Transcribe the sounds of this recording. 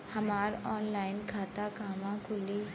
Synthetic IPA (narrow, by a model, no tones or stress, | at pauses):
həmaːɾɔːnlaːɪnkʰaːt̪akaːmãkʰʊli